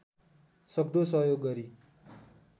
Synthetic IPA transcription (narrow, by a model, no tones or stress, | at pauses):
sʌbd̪osʌɦjoɡːʌɾi